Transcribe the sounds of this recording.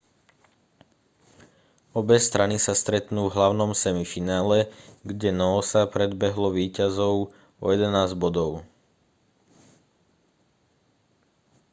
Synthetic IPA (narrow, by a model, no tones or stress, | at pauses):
ɔbɛst̪ɾʔanisast̪ɾɛt̪nuːvɦlaʊnɔmsɛmifinaːlɛɡɟɛnɔsapɾɛd̪bɛɦlɔʋiːcazɔʊ | ɔ̰jɛd̪ɛnaːzɟbɔd̪ɔʊ